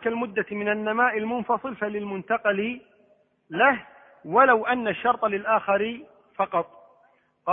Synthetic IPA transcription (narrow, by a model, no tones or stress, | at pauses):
kalmʊd̪ːamɪnanːamaːʔɪlmʊnfɑsˤɨlfalɪlmʊnt̪ɑqɑlɪ | lah | walawʔanːaʃːɑɾˤt̪ˤlɪlʔaːxaɾɪ | fɑqɑt̪ˤ | qɑ